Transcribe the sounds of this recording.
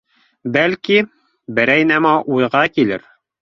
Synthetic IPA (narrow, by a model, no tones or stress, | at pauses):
bælki | bɘ̆ɾæjnæmɑʔujʁɑkilɘ̰ɾ